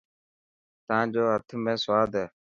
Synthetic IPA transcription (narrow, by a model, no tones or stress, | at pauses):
t̪ãːd͡ʑoːɦət̪ʰmẽːswaːd̪eː